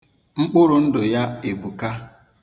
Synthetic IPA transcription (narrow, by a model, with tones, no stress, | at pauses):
ŋ͡m̩˦k͡pʊ˦ɾʊ˨n̩˦dʊ˨ja˦e˨bu˨ka˦